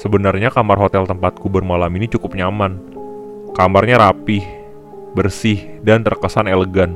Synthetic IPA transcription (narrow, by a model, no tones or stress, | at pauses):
səbənarɲakamarɦot̪ɛlt̪əmpat̪̚kubərmalaminit͡ʃukʊp̚ɲaman | kamarɲaɾapɪh | bərsɪhdant̪ərkəsaneləɡan